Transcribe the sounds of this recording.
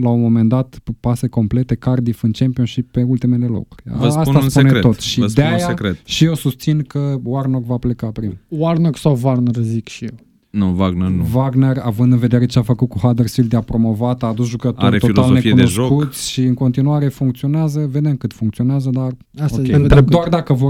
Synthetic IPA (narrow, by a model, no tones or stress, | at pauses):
launmo̞me̞nd̪at̪pase̞ko̞mple̞t̪e̞kard̪ifɨnt͡ʃempionʃipːe̞ult̪ime̞le̞lo̰kurʲvəaspunassnpueneɾet̪o̞t̪ʃiəsd̪eaj̪saekɾet̪ʃijewsust̪sinkəwarnokvaple̞kapɾimwarnoksawvaɡnerzikʃijew | nuvaɡnernuvaɡneravɨnd̪ɨnve̞d̪eɾe̞t͡ʃeafəkut̪̚kuɦad̪ersfild̪eapɾo̞mo̞vat̪aːd̪usʒukət̪oɾet̪oilalone̞fikeunoeʒsokut̪sʲʃiɨŋko̞nt̪inuaɾe̞fuŋkt̪sio̞neazəve̞d̪emkɨt̪fuŋkt̪sio̞neazəd̪ar | asoaked̪d̪oard̪akəvo